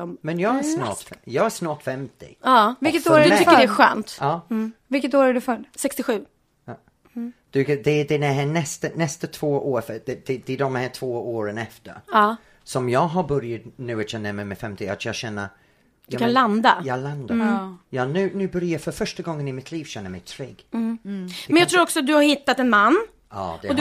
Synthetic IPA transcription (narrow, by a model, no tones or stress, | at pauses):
mmɛnjɑːɡæsnɑ̰ːʈjɑːɡæsnɑːʈfɛmt̪ɪ̰ɑːvɪlkːət̪oːɾd̪t̪ʏkːədɛæɧœ̰ːnt̪ɑːvɪlkːət̪oːɾæɖɵfœɾsɛkst̪ɪɧʉ̟ː | d̪̥ʉkd̪ɛd̪ɛnɛɦænɛst̪ənɛst̪ət̪ʰv̥oːʔoːɾfəd̪ɛd̪̥ɛd̪ɛːd̪ɔmhæːʈʰv̥oːoːɾənɛft̪ə̰ɾ | sɔmjɑːɡɦaɾbœɾjat̪nʉ̟ːat̪jɛnːəmɛmɛfɛmt̪ɪat̪jɑːɡɕɛnːə̰ | jkanland̪ajɑːland̪ajɑːnʉ̟ːnʉ̟ːbœɾjafœɾfœʂʈaɡɔŋːənɪmɪt̪ʰliːvɕɛnːəɾmɛjt̪ʰɾeːɡ | mmɛnjɑt̪ʰɾuːɾɔksɔat̪̚d̪ɵhaɾhɪt̪ːat̪ɛnmanː | ɑ̰ːd̪ɛɔ